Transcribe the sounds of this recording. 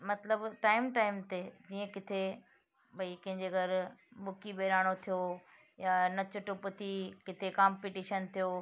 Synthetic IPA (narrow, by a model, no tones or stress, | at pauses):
mɐt̪ləbʈaːɪmʈaːɪmt̪ed͡ʑiːə̃kɪt̪ʰe | bʱɐikɐ̃ɦɪ̃ɲd͡ʑeɡɐɾmʊkibeːɾaːɽ̃ot̪ʰijo | jaːnɐt͡ɕʊʈʊpʊt̪ʰikɪt̪ʰekaːmpiːʈiːʃənt̪ʰijoː